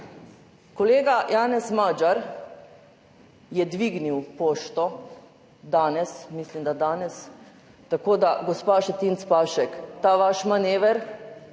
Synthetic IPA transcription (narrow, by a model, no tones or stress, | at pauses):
koleːɡajaːnɛsmad͡ʒaɾ | jɛd̪ʋiːɡniwpoːʃt̪ɔ | d̪aːnɛsmislimd̪ad̪aːnɛs | t̪akoːd̪aɡospaʃɛt̪int̪spaːʃɛkt̪aʋaʃmaneːʋɛɾ